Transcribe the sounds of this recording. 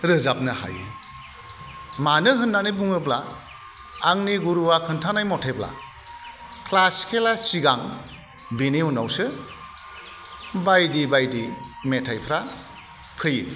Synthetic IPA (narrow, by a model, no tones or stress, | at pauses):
ɾɯzap̚nɯha̰jḭ | manɯɦɯnːanɯbuŋɯblaː | ŋniɡuɾuwakʰɯntʰanajmɔtʰebla̰ | kʰlaskʰelasiɡaŋ | bineɦunawsɯ | bajdibajdimetʰajpʰɾa | pʰɯjḭ